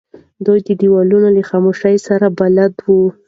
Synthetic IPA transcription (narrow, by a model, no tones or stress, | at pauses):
d̪ojd̪əɖiwɑlunolaxɑmoʃajsaɾabalad̪wu